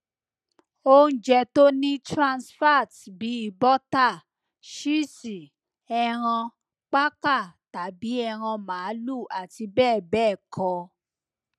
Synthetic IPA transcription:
o˦n̩˦d͡ʒɛ˧to˦nĩ˦tɾã˧nsfa˦˨tbi˨˦i˦˨bɔ˦ta˦˨ | ʃi˦˨si˨ | ɛ˧ɾ̃ã˧ | k͡pa˦ka˦˨ta˨bi˨˦ɛ˧ɾ̃ã˧mãː˨˦lu˦˨ʔa˨ti˧bɛː˦˨bɛː˦˨kʰɔ˧

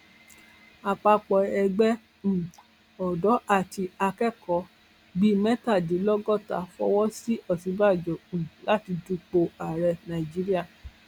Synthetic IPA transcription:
a˨k͡pa˧k͡pɔ˨ɛ˧ɡ͡bɛ̃˦˨ | ɔ˨dɔ˨˦ʔa˦˨ti˧a˧kɛ˦˨kɔ˨˦ | ɡ͡bi˦˨mɛ˦ta˦˨di˨˦lɔ˦ɡɔ˦˨ta̰˨˦fɔ̰˦wɔ˦si˦ʔɔ˦˨sĩ˨˦ba˦˨d͡ʒɔ˨ũ˨la˦ti˧du˧k͡po˧a˨ɾɛ˧nã˨ĩ˨d͡ʒi˦ɾi˦a˦˨

